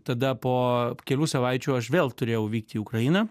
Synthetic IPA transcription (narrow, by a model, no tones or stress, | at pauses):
t̪ɐd̪ɐpoːkʲɛlʲuːsɐʋɐɪt͡ʃʲuːɐʃʋʲeːlˠt̪ʊɾʲeːjɛʊʋʲiːk̚t̪ʲiːʊkɾɐjɪnɐ